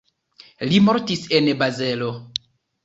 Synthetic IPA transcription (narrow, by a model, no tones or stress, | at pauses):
limo̞ɾtisenbazelo̞